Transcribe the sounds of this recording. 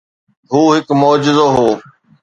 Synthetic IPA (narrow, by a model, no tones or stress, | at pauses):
ɦuːɦɪkmoːd͡ʑɪzoːɦoː